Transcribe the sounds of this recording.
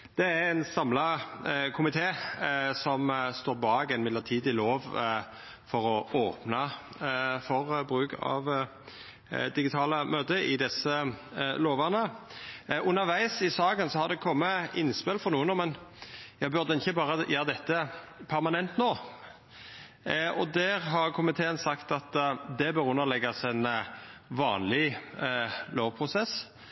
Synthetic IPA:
d̪̥ɛæænsɑmlɑkʰʊmɪt̪ʰeːsɔmst̪oːɾbɑːɡɛɪnmɪd̪ləʁt̪ʰiːd̪ɪloːʋ | fɔɾɔʔoːpnɑ | fɔʁbʁʉːkɑ̰ʋ | d̪ɪɡɪt̪ʰɑːləmøːd̪əɪd̪ɛsəloːʋəʁnə | ʔʉnːəɾʋæɪsɪsɑːɡənsɔhɑd̪ɛkʰɔmːəɪnspɪlfɔʁnuːənɔmːɛnjæɡbʉɾʁd̪ɛɪçːəbɑːʁəjøːɾd̪ɛt̪ːəpʰæɾmɑnɛnt̪noː | ɔd̪æʁɦɑʁkʰʊmɪt̪ʰeːənsɑkt̪ɑt̪d̪ɛbøːɾʉnːəʁlɛɡːɑsɛnʋɑ̰ːnlɪ | loːʋpʰʁʊsɛs

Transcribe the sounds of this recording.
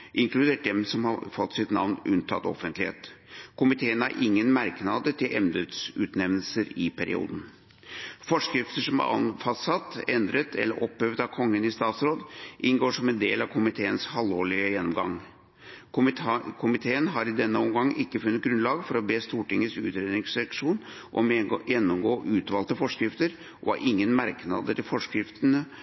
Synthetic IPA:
ʔɪŋklʉd̪eːʈ̚d̪ɛmsɔmhɑfɔt̪ːsɪt̪nɑ̰ʋnʉnt̪ʰɑ̰t̪ɔ̰fənt̪lɪhḛːt̪kʰʊmɪt̪ʰeːənæ̰ɾʔɪŋːənmæɾknɑd̪ət̪ʰɪlʔɛmnd̪ət̪sʉ̰ːt̪nɛmnəl̩səɾɪpʰæɾɪ̰ṵːd̪n̩ | fɔʂkɾɪft̪əʂɔmæ̰ɑ̰nfɑstsɑt̪ːɛnd̪ɾət̪ʰɛ̰lːəɾʔɔpːhøʋd̪ɑʋkʰɔŋːənɪst̪ɑːt̪sɾoːd̪ʔɪnɡoːʂɔmɛnd̪eːlɑʋkʰʊmɪt̪ʰeːənshɑlːoːɭɪəjɛnːɔmɡɑ̰ŋ | kʰʊmɪt̪ʰeːənɦɑɾɪd̪ɛnːəɔmɡɑŋːʔɪkːəfʉnːət̪̚ɡɾʉnlɑːɡfɔɾɔbeːst̪uːʈɪŋːəsʉ̰ːt̪ɾeːd̪nɪŋsɛkʂuːn | ʔɔ̰mjɛnːɔmɡoːʔʉːt̪ʋɑːlt̪əfɔʂkɾɪft̪əɾ | ʔɔɑ̰ɾʔɪŋːənmæɾknɑ̰d̪ət̪ɪlfɔʂkɾɪft̪ənə

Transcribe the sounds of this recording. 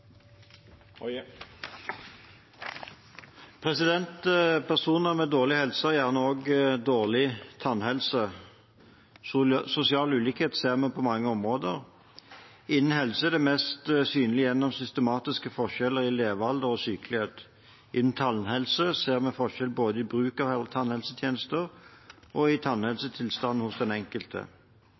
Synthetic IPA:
pʰʁɛsɪd̪ɛnt̪pʰæʁsuːnəʁmɛd̪oːʁlɪhɛlsəjæːʁnəoːɡd̪oːʁlɪt̪ʰɑnhɛlsə | sʊsɪɑːlʉːliːkheːt̪seːʁmɛpʰɔmɑŋːəɔmʁoːd̪əʁ | ɪnːn̩ɦɛlsəɛd̪ɛmɛst̪syːnlɪjɛnːɔmsʏst̪əmɑːt̪ɪskəfɔʁʃɛlːəʁɪleːʋɑld̪əʁɔsyːkəlɪheːt̪ | ʔɪnn̩t̪ʰɑnhɛlsəseːʁmɛfɔʃɛlboːd̪əɪbʁʉːkɑʋɛt̪ʰɑnhɛlsət̪ʰjeːnəst̪əʁ | ʔɔɪt̪ʰɑnhɛlsət̪ʰɪlst̪ɑn̩ːhʊsd̪ɛnɛŋkəlt̪ʰə̰

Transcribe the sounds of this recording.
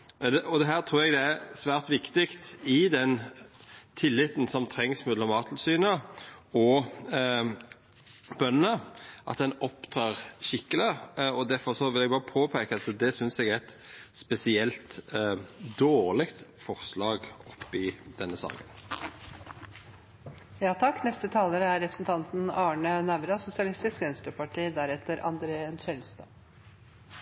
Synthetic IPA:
d̪ɛɔd̪ɛɦæːʁt̪ʰɾuːɾɛɡd̪ɛæɾsʋæːʁt̪ʋɪkt̪ɪkt̪ɪd̪ɛn | t̪ʰɪlːɪt̪n̩sɔmt̪ʰɾɛŋsmɛːd̪ɔmɑːt̪ʰl̩syːnəɔ | bœnnəʔɑ̰t̪̚d̪ɛnɔpt̪ʰɑːʁʃɪkːələɔd̪æʁfɔʁsɔʋɪlɛɡ̚bɑːʁəpʰoːpʰeːkəɑt̪d̪ɛsʏnsɛɡæɛt̪spɛsɪɛlt̪ | d̪oːʁlɪkt̪fɔʁslɑːɡɔpːɪd̪̥ɛnːəsɑ̰ːkən | jɑːt̪ʰɑkːnɛst̪ət̪ʰɑːləɾəæɾɾɛpɾə̥sn̩t̪ʰɑnt̪nɑːɳənæʋɾɑsʊsɪɑlɪst̪ɪskʋɛnst̪əpɑʈʰiːd̪æɾɛt̪əɾʔɑ̰nd̪ɾeːənʃɛlst̪ə

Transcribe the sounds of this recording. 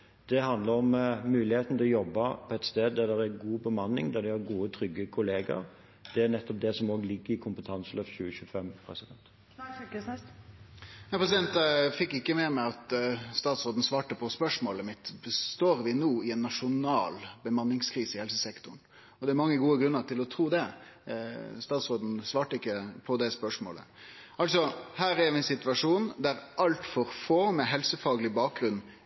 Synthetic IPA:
d̪̥ɛhɑnd̪ləɾɔmmʉːlɪheːt̪n̩t̪ʰɛlɔjɔbːɑpʰɔɛt̪st̪eːd̪̚d̪æd̪æɾæɾɡuːbəmɑnːɪ̰ŋd̪æd̪ɛhæɾɡuːət̪ʰɾʏɡːəkʰʊleːɡə̰ɾ | d̪̥ɛænɛt̪ːɔp̚d̪ɛsɔmoːɡlɪɡːəɾɪkʰʊmpət̪ʰɑnsəløːfɕʉːəçʉːəfɛmpʰɾɛsɪd̪ɛnt̪ | næpʰɾɛsɪd̪ɛnt̪fɪkːɪkːəmɛmɛɑt̪st̪ɑːt̪sɾoːd̪n̩sʋɑːʈəpʰɔspœʂmoːləmɪt̪ːbəst̪oːɾʋɪnuːɪɛnːɑʂʊnɑːlbəmɑnːɪŋskʰɾiːsəɪhɛlsəsɛkt̪ʊɳ | ɔd̪ɛæɾmɑŋːəɡuːəɡɾʉnːəɾʈ̪ɪlɔt̪ʰɾuːd̪ɛ | st̪ɑːt̪sɾoːd̪n̩sʋɑːʈəɪkːəpʰɔd̪ɛspœʂmo̰ːlə̰ʔɑlt̪sɔhæːɾæɾʋɪɛnsɪt̪ʉʋɑʂuːnd̪æɾʔɑlt̪fɔɾfoːmɛɦɛlsəfɑːɡəlɪbɑːk̚ɡɾʉnː

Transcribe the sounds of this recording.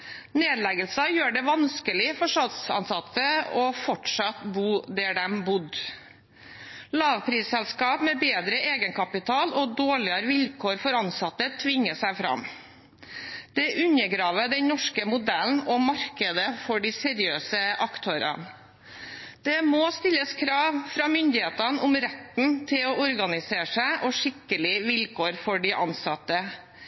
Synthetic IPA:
neːd̪lɛɡəlsɑjøːɖɛʋɑnskəlɪfɔʂɑd̪sɑ̰nsɑt̪əɔfɔʈʂɑt̪buːd̪æɖɛmbʊd̪ | lɑːʋpʰɾiːsɛlskɑːpmɛbeːd̪ɾəʔeːɡənkʰɑpɪt̪ʰɑːlɔd̪oːɭɪəɾʋɪlkʰoːɾfɔɾɑnsɑt̪ːət̪ʰʋɪŋːəsæɪfɾɑ̰m | d̪̥ɛʔʉnəɡɾɑːʋəd̪ɛnnɔʂkəmʊd̪æln̩ɔmɑɾkəd̪əfɔɖɪsɛɾɪøːsəʔɑkt̪ʰoɾɑ̰n | d̪̥ɛmost̪ɪlːəskʰɾɑːʋfɾɑːmʏnd̪ɪheːt̪ɑnʊmɾɛt̪n̩t̪ʰɪlɔʔɔɾɡɑnɪseːʂæɪʔɔʂɪkːəlɪʋɪlkʰoːɾfɔɖɪʔɑ̰nsɑt̪ːə

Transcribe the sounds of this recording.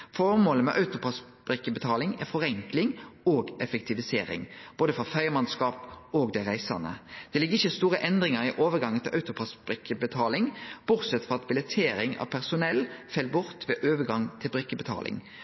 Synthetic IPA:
fɔʁmoːləmɛʔɑʉt̪ʊpʰɑs | b̥ʁɪkːəbət̪ʰɑːlɪŋæʁfɔʁɛŋklɪŋoːɡɛfɛkt̪ʰɪʋɪseːɾɪ̰ŋb̥oːd̪əfɔfæɪəmɑnskɑːpoːɡd̪ɛʁæɪsɑ̰nə̰d̪̥ɛlɪɡːʁɪçːəst̪uːɾəʔɛnd̪ʁɪŋɑʁɪʔoːʋəɡɑŋːənʰɪlʔɑʉt̪ʊpʰɑsbʁɪkːəbət̪ʰɑːlɪŋb̥ʊʁsɛt̪ːfʁɔʁɑt̪̚bɪlɛt̪ʰeːɾɪŋɑ̰ʋpʰæʁsʊnɛlːfɛlbʊʁt̪ʋɛːʔøːʋəɡɑŋt̪ʰɪlbʁɪkːəbət̪ʰɑ̰ːlʔɪ̰ŋ

